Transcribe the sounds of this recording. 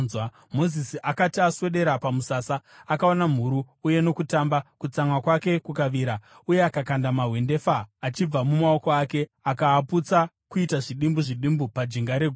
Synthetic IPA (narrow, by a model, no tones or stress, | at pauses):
z | mo̞zisiʔakatiaswe̞ɗe̞ɾapamusasaakao̞nam̤uɾuːje̞no̞kutambakut͡samwakwake̞kukaʋiːɾa | uje̞akakandamaɦwe̞nde̞faːt͡ʃib͡vamumao̞ko̞aːke̞akaːput͡sa | kuitaʐiɗimbuʐiɗimbupad͡ʒiŋɡaɾeɡʱ